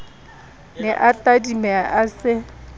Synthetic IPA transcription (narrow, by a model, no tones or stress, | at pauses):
nɪʔatʼadimɛʔasɪ